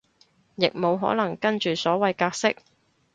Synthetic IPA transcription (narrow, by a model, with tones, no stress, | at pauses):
jɪ˨k̚mo˨˧wɦɔ̰ː˨˥lɐ˨˩ŋkɐ˥nt͡ʃyː˨sɔː˨˥wɐ˨˧jkaː˧k̚sɪ˥k̚